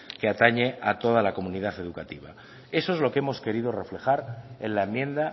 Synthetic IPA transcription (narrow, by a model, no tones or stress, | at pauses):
keat̪aɲe̞at̪o̞ð̞alako̞munið̞aθe̞ð̞ukat̪iβ̞a̰ | e̞soezlo̞kee̞mo̞ske̞ɾiðo̞re̞fle̞xaɾenlaemːjẽ̞nd̪a